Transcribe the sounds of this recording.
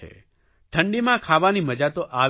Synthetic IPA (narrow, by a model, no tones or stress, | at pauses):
ḛ | ʈʰəɳɖimãkʰaʋaniməd͡ʒat̪oʔa